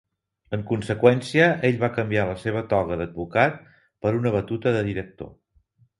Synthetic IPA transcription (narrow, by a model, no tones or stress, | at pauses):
əŋkunsəkwɛnsiəʔeʎβakəmbialəseβ̞ət̪ɔɣəðəd̪̚βukat̪̚ | pəɾunəβ̞ət̪ut̪əðəðiɾək̚t̪o̰